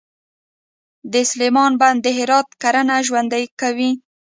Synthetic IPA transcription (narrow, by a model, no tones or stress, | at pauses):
d̪əslemɑnband̪ːəɦɪɾɑt̪̚kaɾənaʒwand̪ajkawi